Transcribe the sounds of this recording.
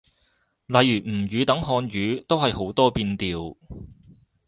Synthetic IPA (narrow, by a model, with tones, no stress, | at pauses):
lɐ˨jːyː˨˩m̩˨˩jyː˨˧t̪ɐ˨˥ŋɦɔː˧nɥyː˨˧t̪o˥whɐ˨jho˨˥wt̪ɔː˥piː˧nt̪iː˨w